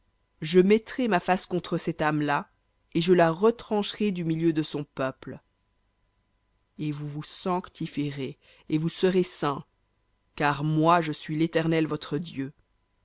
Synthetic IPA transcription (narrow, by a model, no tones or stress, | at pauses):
ʒəmɛt̪χemafaskɔ̃t̪χəsɛt̪amla | eʒəlaʁət̪χɑ̃ʃʁed̪ymiljød̪əsɔ̃pœpl | evuvusɑ̃kt̪ifeʁe | evusəʁesɛ̃ | kaʁmwaʒəsɥilet̪ɛʁnɛlvɔt̪χəd̪jø